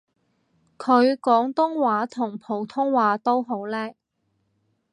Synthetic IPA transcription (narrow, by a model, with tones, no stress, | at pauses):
kʰɵ˨˧ɥkɔː˨˥ŋt̪ʊ˥ŋwaː˨˧˥t̪ʰʊ˨˩ŋpʰo˨˩wt̪ʰʊ˥ŋwaː˨˥t̪o˥wɦo˨˥wlɛː˥